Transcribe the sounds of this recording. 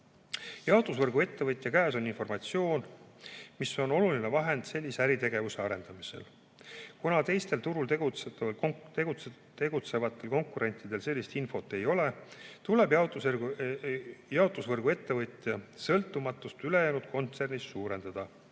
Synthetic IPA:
jɑot̪ˑusvɤrɡue̞t̪ːe̞vɤt̪ʲːˑjɑkæːso̞ninfo̞rmɑt̪sio̞ːn | miso̞no̞lulinevɑɦe̞nd̪̥se̞lʲːiseæɾit̪e̞ɡ̥e̞vuse̞ɑɾe̞nd̪̥ɑmise̞̰l | kunɑt̪e̞jst̪e̞lt̪uɾult̪eɡut̪ːt̪eɡu | t̪e̞ɡ̥ut̪se̞vɑt̪ːˑe̞lko̞ŋkuɾe̞nʲt̪ːˑid̪̥e̞lse̞lʲːist̪info̞t̪ːˑe̞jo̞le̞t̪ule̞bjɑot̪u | jɑot̪ˑusvɤrɡ̥ue̞t̪ːe̞vɤt̪ˑjɑsɤlt̪ːˑumɑt̪ːˑust̪ylejæːnud̪̥̚ko̞nt̪se̞rnisːuːɾe̞nd̪̥ɑd̪̥ɑ

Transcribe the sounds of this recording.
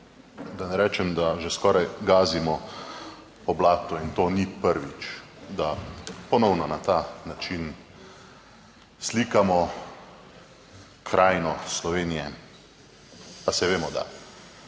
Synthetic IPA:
d̪anɛɾɛːt͡ʃɛmd̪aʒɛskɔːɾajɡaːzimɔ | pɔblaːt̪ɔint̪oːnipəɾʋit͡ʃd̪apɔnɔwnɔnat̪aːnat͡ʃin | sliːkamɔ | kʰɾaːjnɔslɔʋeːnijɛ | asɛʋeːmɔd̪a̰

